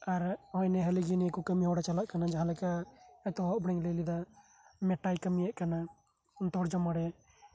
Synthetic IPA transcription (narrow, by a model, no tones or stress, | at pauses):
aɾɔjnɛɦəliɡinikukəmiɦɔɽat͡ʃalaʔkanad͡ʒaɦãlɛkaːt̪ɔɦɔʔbɽiŋləlid̪a | mɛʈajkəmijaʔkana | nt̪ɔɾd͡ʒɔmaɽɛ